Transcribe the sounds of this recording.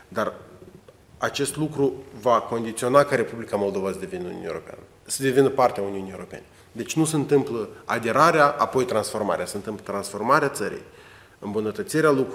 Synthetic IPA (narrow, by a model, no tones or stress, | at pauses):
d̪ar | at͡ʃe̞st̪lukɾuvako̞nd̪it̪sio̞nakəɾe̞publikamo̞lˠd̪o̞vasəd̪e̞vinnnʲṵjeɾo̞̰pea̰nə | səd̪e̞vinəpart̪eauniunijewɾope̞ne | d̪e̞t͡ʃʲnuseɨnt̪ɨmpləad̪e̞ɾaɾeaʔapo̞jt̪ɾansfo̞rma̰ɾeasəɨnt̪ɨmplət̪ɾansfo̞rmaɾeat̪səɾḭj | ɨ̰mbunət̪ət̪siɾealukɾ